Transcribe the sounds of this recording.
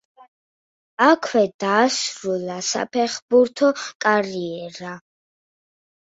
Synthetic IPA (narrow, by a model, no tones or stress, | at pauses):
akʰwɛd̪aːsɾulasa̰pʰɛχbuɾt̪ʰɔkʼaɾiɛɾa